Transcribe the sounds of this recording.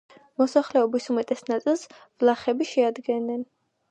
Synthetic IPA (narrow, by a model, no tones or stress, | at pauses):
mɔsaχlɛɔbisumɛt̪ʼɛsnat̪sʼilˠs | vlˠaχɛbiʃɛad̪ɡɛnːɛn